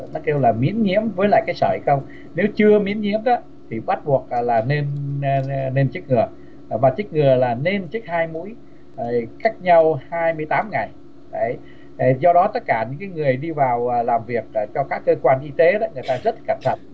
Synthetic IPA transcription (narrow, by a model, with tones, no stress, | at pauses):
nɔ˨˦ke˧wlaː˨˩mḭ˧˥ənɲḭ˧˥əmvəː˨˦jla̰ː˧˨jkaː˨˦jsəː˧˩hi˧˩xə˧wŋ͡m | ne˨˦wt͡ɕɨ˧əmḭ˧˥ənɲḭ˧˥əmɗɔ˨˦ | t̪ʰi˨˩ɓa˦˥t̚ɓu˨˩ək̚ːlaː˨˩ne˧n˧ | ne˧nt͡ɕɨ˦˥k̚ŋɨ˨˩ə˨˩ | maː˨˩t͡ɕɨ˦˥k̚ŋɨ˨˩əlaː˨˩ne˧nt͡ɕɨ˦˥k̚haː˧jmṵ˧˥əj | ka˦˥jk̚ɲa˧whaː˧jmɨ˧əjt̪aː˨˦mŋa˨˩j | ɗə˨˧˩j | zɔ˧ɗɔ˨˦t̪ə˦˥t̚kaː˧˩ɲɨ̰˧˥ŋkaː˨˦jŋɨ˨˩əjɗi˧vaː˨˩wlaː˨˩mvi˨˩ək̚ːt͡ɕɔ˧kaː˦˥kːəː˧kwaː˧nʔi˧t̪e˨˦ɗɔ˨˦ŋɨ˨˩əjt̪aː˧zə˦˥t̚kə˧˩mt̪ʰə˧˩t̚